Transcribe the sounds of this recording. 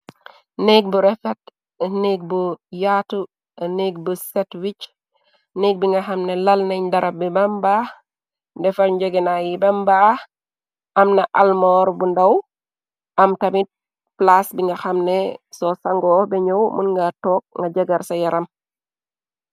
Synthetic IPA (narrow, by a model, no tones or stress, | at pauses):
neɡ̚buɾɛfet | neːɡ̚bujatu | neɡ̚busetwit͡ʃ | neɡ̚biŋɡaxamnelalnaɲdaɾabibambaː | ndɛfatɲɟeɡenajibamba | ʔamnaʔalmoɾbundaw | ʔamtamit̚ | plasbiŋɡaxamnesɔsaŋɡɔbɛɲowmunŋɡatɔːk̚ŋɡaɟaɡaɾsajaɾam